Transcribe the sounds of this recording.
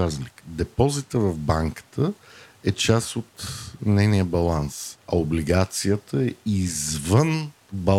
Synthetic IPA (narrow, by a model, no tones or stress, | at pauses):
azlikd̪ɛpɔzit̪əvɐvbaŋkə̥t̪ʰəɛt͡ʃasot̪nɛjnijəbɐlˠansɐobliɡat̪sijət̪əɛizvən | bɐ